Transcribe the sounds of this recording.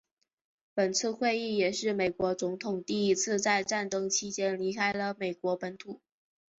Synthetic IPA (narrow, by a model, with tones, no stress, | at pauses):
pə˨˩nt͡sʰɹ̩˥˧xwe˥˧ɪi˥˩jɛ˨˩ʂɻ̩˥˩me˨˩ɪkwɔ˧˥t͡sʊ˧˥ŋt̪ʰʊ˨˩ŋt̪i˥˩i˧˥t͡sʰɹ̩˥˧t͡sa˥˧ɪʈ͡ʂa˥˩nt̪ɤ˥ŋt͡ɕʰi˥t͡ɕjɛ˥nli˧˥kʰa˥ɪlə˨me˨˩ɪkwɔ˧˥pə˧˥nt̪ʰu˨˩˦